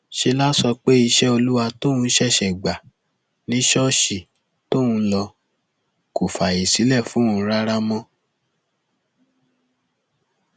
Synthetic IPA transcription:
ʃe˧la˦sɔ˧k͡pe˦i˧ʃɛ˦o˧lu˦wa˧to˦ũ˧˦ʃɛ˦˨ʃɛ˨ɡ͡ba˨ | nĩ˨˦ʃɔ˦ʃi˨ | to˦˨ũ˧˦lɔ˧ | ko˨fa˨i˨si˨˦lɛ˦˨fũ˨˦ũ˧˦˧ɾa˦ɾa˦mɔ̃˦

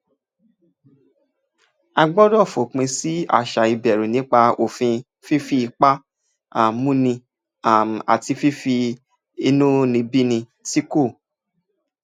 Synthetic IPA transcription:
a˧ɡ͡bɔ˦dɔ˦˨fo˨k͡pĩ˧si˦a̰˦˨ʃa˨i˧bɛ˨ɾu˨nĩ˨˦k͡pa˧o˨fĩ˧ | fi˦fi˧i˧k͡pa˦ | a˨mũ˦nĩ˧ | a˨m˨a̰˨ti˧fi˦fi˧ | i˧nũ˦nĩ˧bi˦nĩ˧ | ti˦ko˦˨

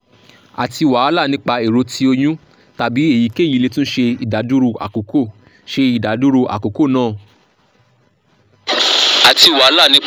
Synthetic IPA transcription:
a˨ti˧˨wa˨˦a˧˦la˦˨nĩ˦k͡pa˧e˨ɾo˨˧tʰi˧˦o˧j̃ũ˦ | ta˨bi˨˦e˦˨ji˨˦ke˦˨ji˨˧le˧tũ˦n̩˦ʃe˧i˨da˨˦du˦ɾo˧a̰˨ko˨˦ko˦˨ | ʃe˧i˨da˨˦du˦ɾo˧ʔa̰˨ko˨˦ko˦˨nãː˦˨ | a˨ti˧˨wa˨˦la˦˨nĩ˦

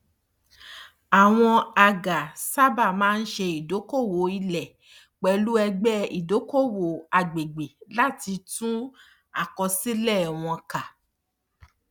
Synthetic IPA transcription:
a˨w̃ɔ̃˧a˧ɡa˨sa˦ba˦˨mãː˦n̩˦ʃe˧i˨do˨˦ko˦˨wo˨˦i˧lɛ˨ | k͡pɛ˧lu˦ɛ˧ɡ͡bɛ˦ḭ˨do˨˦ko˦˨wo˨˦a˨ɡ͡be˨ɡ͡be˨la˦ti˧tũ˦ | a˦˨kɔ˧si˦lɛ˦˨w̃ɔ̃˧ka˨

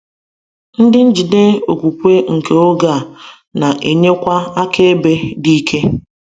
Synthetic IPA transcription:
n̩˦dɪ˦n̩˦d͡ʒi˨de˦o˨kʷu˨kʷe˦ŋ̩˨ke˨o˦ɡa˨ | na˨ʔḛ˨ɲe˦kʷa˦a˦kʰe˦e˦be˦di˦kʰe˦

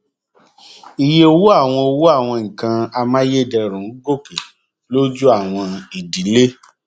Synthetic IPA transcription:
i˨je˦o˧wu˦a˦˨w̃ɔ̃˧o˧wu˦a˦˨w̃ɔ̃˧ŋ̩˨kã˧a˧mã˦je˦˨dɛ˧ɾũ˨˦ɡo˦˨ke˨ | lo˦d͡ʒu˦a˦˨w̃ɔ̃˧i˨di˨˦le˦

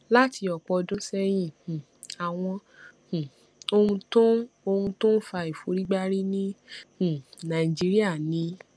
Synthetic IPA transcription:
la˦ti˧ɔ˨k͡pɔ˨˧dõ˦sɛ˦j̃ĩ˧˨ | a˨w̃ɔ̃˧˨ | o˧hũ˧tõ˦o˧hũ˧tõ˦n̩˦fa˧i˨fo˨˦ɾi˦ɡ͡ba˦ɾi˦nĩ˦h̩˨nã˨i˨d͡ʒi˦ɾi˦a˦˨nĩ˨˦

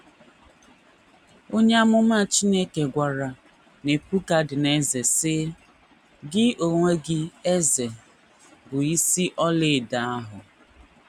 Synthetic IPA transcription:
o˦ɲe˦a˦mʊ˦ma˦˨t͡ʃi˦ne˦ke˨ɡʷa˨ɾa˨ | ne˨pu˦ka˨dɪ˨ne˦ze˨sɪ˦ | ɡɪ˦o˨ŋʷe˦ɡɪ˦e˦ze˨ | bʊ˨i˦si˦ʔɔ˦lɪ˦˨da˨a˦ɦʊ˨

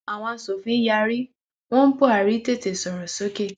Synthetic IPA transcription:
a˨w̃ɔ̃˧a˨so˨fĩ˦ja˧˦ɾi˦ | w̃ɔ̃˦n̩˦po˦a˨ɾi˨˦te˦˨te˨sɔ˨ɾo˨so˨˦ke˦˨

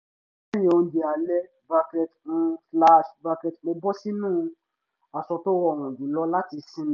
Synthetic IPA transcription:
a˦jĩ˧ɔ̃˧˨de˨a˨lɛ˦ | ba˧kɾɛ˧tũ˦fla˧˦ʃba˧kɛ˨tmo˧bɔ˦si˦nũː˦˧ | a˨sɔ˧to˦wɔ̃˦˨ɔ̃˨d͡ʒĩ˨lɔ˧˦la˦ti˧sĩ˦n˦

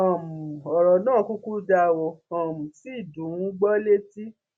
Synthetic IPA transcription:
ã˨mũ˨ɔ˨ɾɔ˨nãː˦˨˦ku˦ku˦da˧wo˧ã˨mũ˨si˦˨dũ˨˦wũ˦ɡ͡bɔ˦le˦ti˦

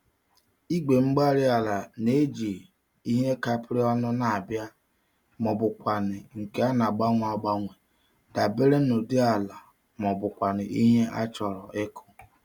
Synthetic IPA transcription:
i˦ɡ͡be˨ŋ͡m̩˦ɡ͡ba˦ɾɪ˦a˨la˨ne˦d͡ʒi˨ | i˦ɦe˦ka˦pɾɪ˦ɔ˦nʊ˦na˨a˨bja˦ | mɔ˨bʊ˨kʷa˨nɪ˨ŋ̩˨ke˨˦a˦na˨ɡ͡ba˦ŋʷ˨a˨ɡ͡ba˦ŋʷe˨ | da˨be˦ɾe˦no˨dɪ˦a˨la˨ | mɔ˨bʊ˨kʷa˨nɪ˨ʔi˦ɦe˦ʔa˦t͡ʃɔ˨ɾɔ˨ʔe˦kʊ˦

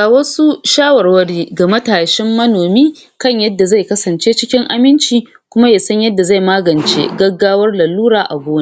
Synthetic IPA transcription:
a˨wɐ˦su˦ʃaː˦wɐ˨rwɐ˦ɽiː˦ɡa˨mɐ˦taː˨ʃɪ˦mːɐ˦noː˨miː˦ | kɐ˦˨ɲjɐ˦dːa˨za˦˨jkɐ˦sɐ˨nt͡ʃeː˦t͡ʃɪ˦kʲɪ˦ŋʔa˨mɪ˦nt͡ʃiː˨ | kʷʊ˦ma˦jaː˨sɐ˦ɲjɐ˦dːa˨za˦˨jmaː˦ɡɐ˨nt͡ʃḛ˦ɡɐ˦ɡːaː˦wɐ˦rla˨lːuː˦ɾaː˨ʔa̰˨ɡʷoː˦ne˦

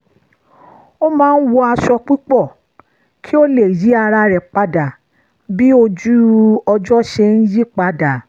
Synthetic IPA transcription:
o˦mãː˦n̩˦wɔ˧a˧ʃɔ˧k͡pi˦k͡pɔ˦˨ | kʰi˦o˦le˦˨ji˨˦a˧ɾa˧ɾɛ˨k͡pa˨da˨ | bi˦o˧d͡ʒu˦ɔ˧d͡ʒɔ˦ʃɛ˧n̩˦d͡ʒi˦k͡pa˨da˨

